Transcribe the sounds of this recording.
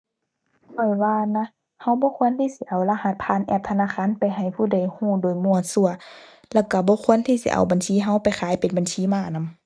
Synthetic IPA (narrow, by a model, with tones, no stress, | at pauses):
kʰɔ˧˩jwaː˧na˧˥ | ha˧˥˨wbɔː˧˦kʰu˧˥ənt̪ʰiː˧˨si˧˦ʔa˨˩wlaː˧ha˧˦t̪̚pʰaː˧˥˨nʔɛː˧˩p̚t̪ʰa˧naː˧˨xaː˧˥˨npa˨jɦa˧˨˩jpʰuː˧˩˨da˧˨˩jhuː˧˩doː˨jmu˧˨əsu˧ɐ | lɛː˧˩wka˧˩bɔː˧˦kʰu˧˥ə˨nt̪ʰiː˧˨sḭ˧˦ʔa̰˨˩wba˨nsiː˧˥˨ɦa˧˥˨wpa˨jxʰaː˨˦jpe˨nba˨nsiː˧˥˨maː˧˩˨na˧˨m